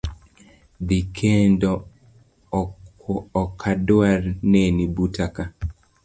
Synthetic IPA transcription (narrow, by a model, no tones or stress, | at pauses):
d̪ikʰendɔ | kʰadʊarnenibutʰaka